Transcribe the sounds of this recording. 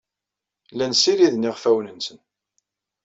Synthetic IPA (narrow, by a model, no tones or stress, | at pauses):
lænsiɾiðnɪʁfæwnənsən